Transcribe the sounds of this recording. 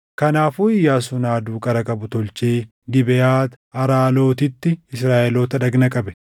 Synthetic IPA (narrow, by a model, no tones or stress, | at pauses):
kɐnaːfuːɪjːaːs̬ʊnaːd̪uːkʼɐɾɐkʼɐbʊt̪ɔlt͡ʃeː | ɡɪbɛjaːt̪ | ɐɾaːlo̞ːt̪ɪt̪ːɪɪsɾaːʔɛloːt̪ɐᶑɐɡnɐkʼɐbɛ̥